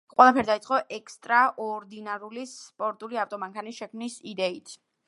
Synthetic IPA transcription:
qʼwɛlˠapʰɛɾd̪aisʼqʼɔʔɛkʰst̪ʼɾaʔɔɾd̪inaɾulispʼɔɾt̪ʼuliaft̪ʼɔmaŋkʰanisʃɛkʰmnisid̪ɛit̪ʰ

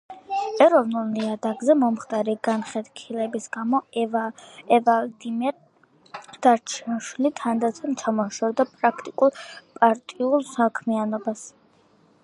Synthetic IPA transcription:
ɛɾɔvnulˠniad̪aɡzɛmɔmχt̪ʼaɾiɡanχɛd̪kʰilɛbisɡ̥amɔ | ɛvald̪imɛɾ | d̪̥aɾt͡ʃʰianʃwilit̪ʰand̪at̪sʰɛmt͡ʃʰamɔʃɔvd̪apʼɾakʰt̪ʼikʼulˠpʼaɾt̪ʼiulˠsakʰmianɔbas

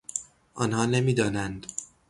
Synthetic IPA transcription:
ʔɒːnhɒːne̞miːd̪ɒːnænd̪

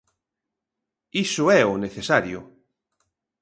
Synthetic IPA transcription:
isʊɛʊneθesaɾjʊ̰

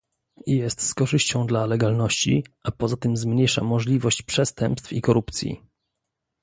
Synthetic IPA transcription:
jɛst̪skɔʐɘɕt͡ɕɔ̃w̃d̪lalɛɡalnɔɕt͡ɕḭʔapɔzat̪ɘmzmɲejʂa̰mɔʐlʲivɔɕt͡ɕpʂɛst̪ɛmpst̪fikɔɾupt̪sʲjḭ

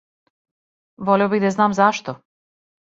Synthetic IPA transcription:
vɔlʲɛɔbiɣd̪aznaːmzaʃt̪ɔ

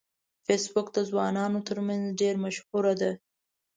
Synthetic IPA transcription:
fesbʊkd̪əzwɑnɑnot̪əɾmanzɖeɾmaʃhuɾad̪a

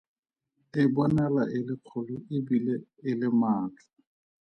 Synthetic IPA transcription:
ɪbɔnɛlaʔɪlɪq͡χʰʊlʊʔɪbileɪlɪmaːt͡ɬḁ

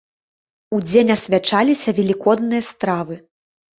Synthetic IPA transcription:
ud͡zʲenʲɐsʲvʲat͡ʂalʲisʲɐvʲɛlʲikɔd̪nɨjɐst̪ɾavɨ

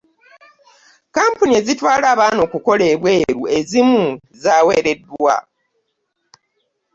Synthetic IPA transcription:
kaːmpunie̞zitwaːlaːβaːno̞ːkuko̞le̞ːβwe̞ːɾue̞zimu | zaːwe̞ːɾe̞dːwwa̰

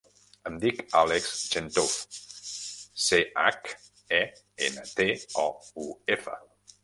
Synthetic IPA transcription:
əmd̪ika̰lekz̥ʒent̪of | seʔak | ɛ | enət̪eɔuefə̰

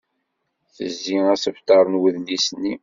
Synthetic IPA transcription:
θə̰zːiæsəft̪ɑɾˤənwəðlisənːi

